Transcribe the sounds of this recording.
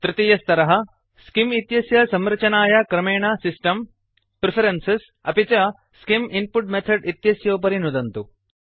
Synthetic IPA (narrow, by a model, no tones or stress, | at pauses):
t̪ɾit̪ijɐst̪ɐɾɐɦɐ | skimit̪jɐsjɐsɐmɾɐt͡ʃɐnaːjɐkɾɐmeːɳasisʈɐm | pɾɪpʰɐɾɐnses | ɐpit͡ʃɐ | skiminpuʈmet̪ʰɐɖit̪jɐsjoːp̬ɐɾinud̪ɐnt̪u